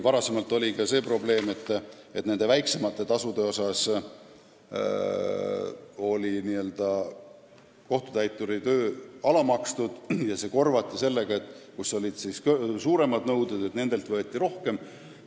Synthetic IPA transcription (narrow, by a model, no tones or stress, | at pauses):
vɑɾɑse̞mɑlt̪ːˑo̞lʲikɑse̞ːpro̞ble̞ːme̞t̪ːˑ | et̪ːne̞nd̪̥e̞væjkse̞mɑt̪ːˑe̞t̪ɑsud̪e̞o̞sɑs | o̞lʲiniːø̞ld̪̥ɑ | ko̞ht̪u̥t̪æjt̪ːˑuɾit̪øːɑlɑmɑkst̪ud̪̥jɑse̞ːko̞rvɑt̪ːˑise̞lːe̞ɡ̥ɑe̞t̪ːˑkuso̞lʲid̪̥sisksuːɾe̞mɑd̪nɤwd̪ed̪et̪ne̞nd̪̥e̞lt̪vɤe̞t̪ːˑiɾo̞hke̞m